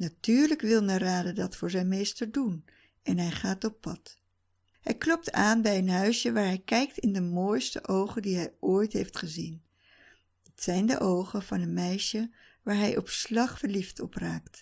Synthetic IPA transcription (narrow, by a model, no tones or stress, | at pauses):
natyːɹləkʋɪlˠməraːdədɑtfʊːɹzɛjnmejstəɹdun | ɛnɦɛjχaːtɔpɑt | ɦɛjklɔp̚taːnbɛjənɦœɥʃəʋaːɹɦɛjkɛjktɪndəmoːjstə̰ʔowχəndiɦɛjʔoːjtɦejftχəzin | ɪtsɛjndə̰ʔowχəv̥ɑnənmɛjʃə | ʋaːɹɦɛjʔɔpslɑχfəɹliftɔpraːkt